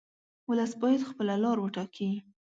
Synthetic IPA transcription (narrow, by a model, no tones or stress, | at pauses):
wʊləsbɑjad̪xpəlalɑɾwəʈɑkʰi